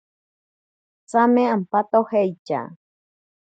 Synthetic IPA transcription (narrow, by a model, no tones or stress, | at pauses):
t͡samẽampat̪ohejt͡ʃa̰